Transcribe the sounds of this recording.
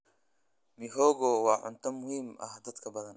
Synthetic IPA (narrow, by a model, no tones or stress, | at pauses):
mɪɦɔːɣɔːwɑːʕʊ̰nt̪ʰɐmʊhiːmʔɐ̰hd̪ɐd̪kʰɐbɐðɐn